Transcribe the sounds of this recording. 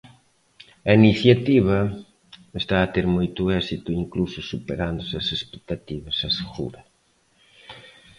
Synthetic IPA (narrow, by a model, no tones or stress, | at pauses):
ɐiniθjat̪iβ̞ɐ | est̪aːt̪eɾmojt̪ʊɛsit̪ʊiŋklusʊsupeɾand̪ʊsɐsespe̥k̚t̪at̪iβ̞ɐsɐseɣṵɾɐ